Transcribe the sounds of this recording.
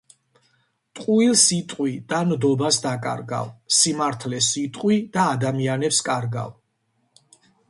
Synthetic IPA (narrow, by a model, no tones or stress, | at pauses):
t̪ʼqʼuilˠsit̪ʼqʼwid̪̥and̪ɔbasd̪akʼa̰ɾɡa̰vsimaɾt̪ʰlɛsit̪ʼqʼwid̪̥aːd̪amianɛpskʼaɾɡa̰v